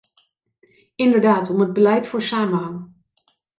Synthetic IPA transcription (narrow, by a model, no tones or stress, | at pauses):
ɪndəɹdaːtɔməd̚bəlɛjtfʊːɹsaːmənɦɑŋ